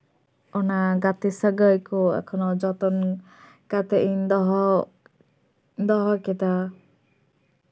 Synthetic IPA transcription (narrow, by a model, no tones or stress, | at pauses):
ɔnaɡat̪isəɡəjkɔɛ̰kʰɔnɔd͡ʒɔt̪ɔn | kat̪ɛʔind̪ɔɦɔ | d̪ɔɦɔkɛt̪a